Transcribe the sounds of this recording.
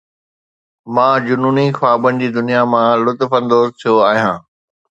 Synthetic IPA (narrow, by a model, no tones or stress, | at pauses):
mãːd͡ʑʊnuːnixaːbənɪ̆d͡ʑiːd̪ʊnijamãlʊt̪fə̃nd̪oːzt̪ʰijoaːɦijãː